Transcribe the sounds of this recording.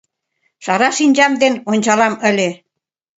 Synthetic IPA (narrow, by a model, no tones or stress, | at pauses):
ʃɑɾɑʃinʲd͡ʑɑmd̪enonʲt͡ɕɑlɑmə̆lʲe